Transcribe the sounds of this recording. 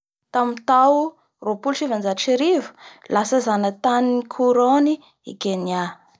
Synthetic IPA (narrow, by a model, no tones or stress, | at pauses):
t̪amint̪aw | ropulʈ͡ʂivand͡ʒaʈ͡ʂiɾivə̥lasəzanət̪aniikʰuɾoni | ḭkenia